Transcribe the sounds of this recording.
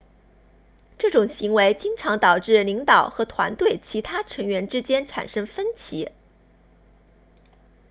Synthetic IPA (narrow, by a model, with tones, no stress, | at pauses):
ʈ͡ʂɤ˥˩ʈ͡ʂʊ˨˩ŋɕi˧˥ŋwe˧˥ɪt͡ɕi˥ŋʈ͡ʂʰɑ˧˥ŋt̪ɑ˨˩ʊʈ͡ʂɻ̩˥˩li˧˥ŋt̪ɑ˨˩ʊxɤ˧˥t̪ʰwa̰˧˥nt̪we˥˩ɪt͡ɕʰi˧˥t̪ʰa˥ʈ͡ʂʰɤ˧˥ŋɥɛ˧˥nʈ͡ʂɻ̩˥t͡ɕjɛ˥nʈ͡ʂʰa̰˨˩nʂɤ˥ŋfə˥nt͡ɕʰḭ˧˥